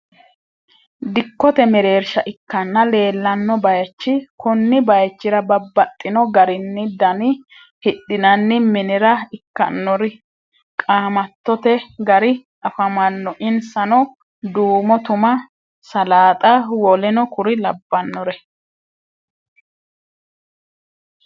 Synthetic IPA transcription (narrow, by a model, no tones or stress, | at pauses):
d̪ɪkːɔt̪ɛmɛɾe̞ːɾʃɐʔɪkːɐnːɐle̞ːlːɐnːɔbɐjɐt͡ʃːɪkʊnːɪbɐjɐt͡ʃːɪɾɐbɐbːɐt̪ʼːɪnɔɡɐɾɪnːɪd̪ɐnɪ | hɪɗːɪnɐnːɪmɪnɪɾɐɪkːɐ̰nːɔɾɪ | kʼaːmɐt̪ːɔt̪ɛɡɐɾɪ | ɐfɐmɐnːɔʔɪnsɐnɔ | d̪uːmɔt̪ʊmɐ | sɐlaːt̪ʼɐwɔlɛnɔkʊɾɪlɐbːɐnːɔɾɛ